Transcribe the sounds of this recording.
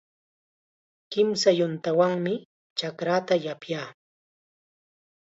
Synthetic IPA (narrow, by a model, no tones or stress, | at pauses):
kɪmsajʊnt̪awaŋmɪ | t͡ʃakɾat̪ajapjaː